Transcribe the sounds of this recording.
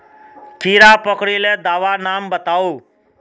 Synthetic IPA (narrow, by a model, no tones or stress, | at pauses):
kiɾapəkɽiled̪aʋanambət̪aʋu